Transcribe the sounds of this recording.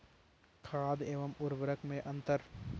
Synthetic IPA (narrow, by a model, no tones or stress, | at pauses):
kʰaːd̪eːʋəmʊɾʋəɾəkmẽʔɐ̃nt̪əɾ